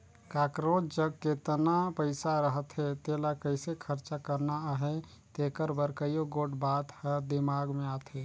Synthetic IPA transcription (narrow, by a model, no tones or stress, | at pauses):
kakɾot͡ʃd͡ʒəɡ̚ket̪ənapəɪsaɾəɦət̪ɦet̪elakəɪsekʰəɾt͡ʃakəɾnaaɦe | t̪ekəɾbəɾkəjoɡoʈbat̪həd̪imaɡmeat̪ʰɦe